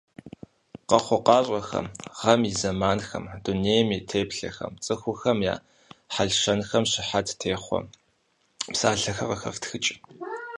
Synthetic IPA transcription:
qɐχʷɔqɑːɕʷʼɐxɐ̰mʁ̥ɐmizɐmaːnxɐ̰md̥uneːjmiːtʰeːpɬɐ̰xɐ̰mt͡sʼɨxʷʊxɐmja̰ː | ħaɮʂɐnxɐmɕɪħatʰtʰeːχʷɔ̰ | psaːɬɐxɐqəxɐ̰ftxɨt͡ʃʼɪ

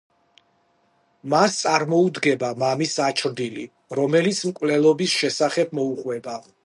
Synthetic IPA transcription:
mast̪sʼaɾmɔud̪ɡɛbamamisat͡ʃʰɾd̪ilḭ | ɾɔmɛlit̪sʰmkʼwlɛlˠɔbisʃɛsaχɛb̚mɔuqʼwɛba

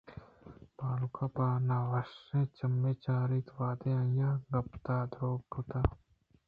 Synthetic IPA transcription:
paːlukapaːnaːʋɐʃẽt͡ʃɐmːeːt͡ʃaːɾit̪ʋaːd̪eãjaːɡɐp̚t̪aːd̪ɾoːɡ̚ʈut̪aː

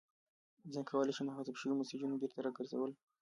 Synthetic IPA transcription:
znkʰawɑleʃimaxɑt̪ɪbʃəwimʊsid͡ʒunobeɾt̪aɾɑɡəɾza̰wəl

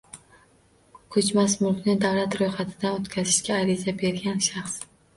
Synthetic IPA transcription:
kʰɵt͡ʃmasmʊlkʲnɪd̪avlat̪ɾojχat̪ʰɪd̪anot̪kʲʰazɪʃkʲaːɾɪzabe̞ɾɡʲanʃaχs

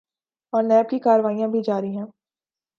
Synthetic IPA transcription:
ɔːɾnɛːb̚kikaːɾʋaːijãbʱid͡ʒaːɾiɦɛ̃ː

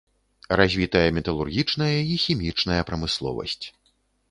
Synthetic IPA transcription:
razʲvʲit̪ɐjɐmʲɛt̪ɐlˠurɣʲit͡ʂnɐjɐixʲimʲit͡ʂnɐjɐpɾɐmɨslˠɔ̰vɐ̰sʲt͡sʲ

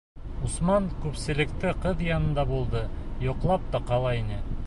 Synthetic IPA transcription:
usmɑɴkʉpsɘ̆lɘ̆kt̪ɘqɤðjɑnɤ̆nd̪ɑbulˠd̪ɤjŏqlˠɑp̚t̪ɑqɑlˠɑinɘ

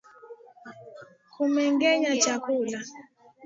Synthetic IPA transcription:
kʰumɛŋɡɛɲat͡ʃakula

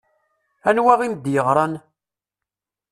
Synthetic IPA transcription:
ænwaʁimd̪jəʁɾˤɑn

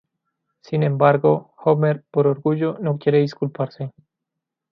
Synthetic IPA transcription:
sinẽmbaɾɡoxomeɾpoɾoɾɣuʝonokjeɾeðiskulpaɾse

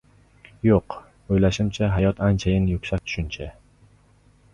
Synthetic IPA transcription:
joq | ojlaʃɪmt͡ʃʰaɦajɒt̪ant͡ʃʰajɪnjʊkʃak̚ʲt̪ʰʊ̥ʃɪnt͡ʃʰa

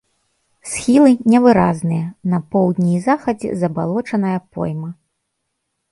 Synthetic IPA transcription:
sxʲilˠɨnʲɛvɨɾaznɨjɐnɐpɔwd̪ʲnʲizaxɐd͡zʲɛ̰zɐbalˠɔt͡ʂɐnɐjɐpɔ̰jmɐ

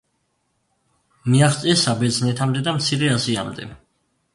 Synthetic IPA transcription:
miaχt̪sʼiɛsabɛd̪znɛt̪ʰamd̪ɛd̪amt̪sʰiɾɛasia̰md̪ɛ̰

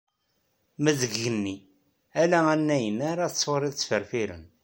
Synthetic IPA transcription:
mæðəɡːənːi | ælæænːæjənaɾaθsːˤoɾˤiðt͡sːfəɾfiɾə̰n

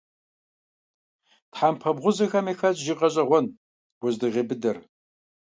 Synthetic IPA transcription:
tħaːmpʰɐbʁʷʊzɐxɐmeːxɐt͡ɕʼʒiqɐɕʼɐʁʷɔn | wʊʑdɨʁeːbɨdɐr

